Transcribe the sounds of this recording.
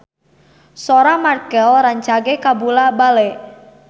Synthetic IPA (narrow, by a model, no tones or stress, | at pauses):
soɾamarkɛlraɲt͡ʃaɡɛkabulabalɛ